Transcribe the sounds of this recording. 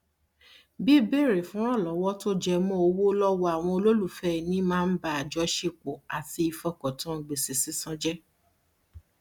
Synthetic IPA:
bi˦be˦˨ɾe˨fũ˨˦ɾ̃ɔ̃˦˨lɔ˨˦wɔ˦to˦d͡ʒɛ˧mɔ̃˦o˧wo˦lɔ˦wɔ˧a˨w̃ɔ̃˧o˧lo˦lu˦˨fɛ˦˨nĩ˨˦mãː˦˧n̩˦ba˦˨a˨d͡ʒɔ˨˦ʃe˧k͡po˨a˨ti˧i˧fɔ˧kɔ̃˨tã˦˨ɡ͡be˨si˨si˨˦sã˦d͡ʒɛ˦

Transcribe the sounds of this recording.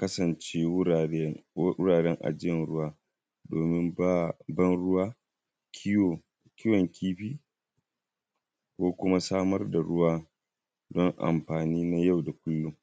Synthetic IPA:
kɐ˦sɐ˨nt͡ʃeː˦˨˦ʊ˦ɽaː˨ɽɛ˦ŋʔa̰˨d͡ʒɪ˦jɛ˨nɽʊ˦waː˦ | doː˨mɪ˦ma˦bɐ˦nɽʊ˦waː˦˨ | kʲɪ˦jɔ˨ŋkʰʲiː˦ɸiː˦ | kʷoː˦kʷʊ˦ma˦saː˦mɐ˦rda˨ɽʊ˦waː˦ | dɔ˦ŋʔa̰˨mɸaː˨niː˦na˦ja˦˨wda˨kʷʊ˦lːʊ˦ŋ

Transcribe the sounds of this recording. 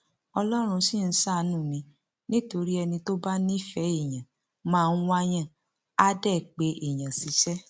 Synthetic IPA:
ɔ˧lɔ˦ɾ̃ũ˧sĩ˦˨n̩˦sa˦˨nũ˦˨mĩ˨˧ | nĩ˦to˧ɾi˦ɛ˧nĩ˧to˦ba˦nĩ˦i˦˨fɛ˨˦i˦˨j̃ã˨ | mãː˦˧n̩˦wa˧j̃ã˦˨ | a˦dɛ˦˨k͡pe˨˦ʔi˨j̃ã˨si˨˦ʃɛ˦

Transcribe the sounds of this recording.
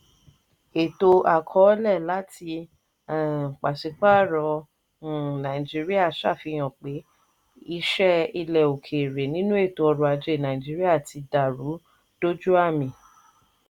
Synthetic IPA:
e˨to˧a˨kʰɔ˦lɛ˦˨la˨˦tʰi˧˦˨ | k͡pa˨si˧˦k͡pa˦˨ɾɔ̃˧˦˨ | nã˨i˨d͡ʒi˦ɾi˦a˦˨ʃa˦˨fi˧j̃ɔ̃˨k͡pe˨˦ | i˦˧˦ʃɛ˦i˧lɛ˨o˨kʰe˨ɾe˨nĩ˦nũ˦e˦˨to˧ɔ˧ɾu˧a˧d͡ʒe˧˨˦nã˨ĩ˨d͡ʒi˦ɾi˦a˦˨tʰi˧da˨ɾu˨˦ | d̥o˦d͡ʒu˦a˦˨mĩ˧

